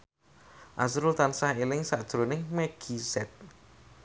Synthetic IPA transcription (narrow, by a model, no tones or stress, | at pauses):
ʔasɾʊlt̪ansahelɪŋsad̥ʒ̥ɾonɪŋmɛɡ̥isɛt̪̚